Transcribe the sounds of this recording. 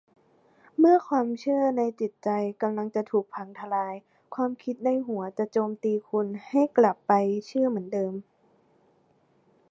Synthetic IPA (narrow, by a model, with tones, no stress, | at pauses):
mɯ˥˩ɐkʰwaː˧mt͡ɕʰɯ˥˩ɐna˧jt͡ɕi˨˩t̪̚t͡ɕa˧jka˧mla˧ŋt͡ɕa˨˩t̪ʰuː˨˩k̚pʰa˧˦ŋt̪ʰa˧laː˧j | kʰwaː˧mkʰi˧˦˥t̪̚na˧˥jɦu˩˦ɐt͡ɕa˨˩t͡ɕoː˧mt̪iː˧kʰu˧nha˥˩jkla˨˩pːa˧jt͡ɕʰɯ˥˩ɐmɯ˩˦ndɤː˧m